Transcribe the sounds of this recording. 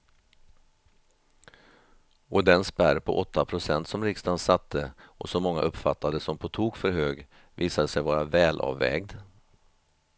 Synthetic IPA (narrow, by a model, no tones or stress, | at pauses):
ɔd̪ɛnspæɾpʰɔ̰ʔɔt̪ʰːapʰɾʊsɛnt̪sɔmɾɪkst̪ansat̪ʰːəɔsɔmːɔŋːa̰ʔɵpːfat̪ʰːad̪əsɔmpʰɔt̪ʰuːɡfœɾɦøːɡ | viːsad̪əsɛjvɑːɾavɛːlʔɑ̰ːvːɛ̰ːɡd̪